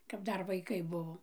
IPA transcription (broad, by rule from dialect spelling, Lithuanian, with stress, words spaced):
kɐp ˈdɐr ʋɐɪˈkɐɪ ˈbʊʋoː